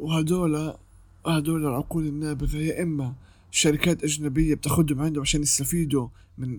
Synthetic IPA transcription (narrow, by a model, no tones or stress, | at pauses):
whad̪oːla | had̪oːlalʕʊquːlɪnːaːbɪɣajːaʔɪmːa | ʃaɾɪkaːt̪ʔaʒnabɪjːab̚t̪aːxʊd̪ʊmʕɪnd̪ʊʕaʃaːnːɪst̪afiːd̪u | mɪn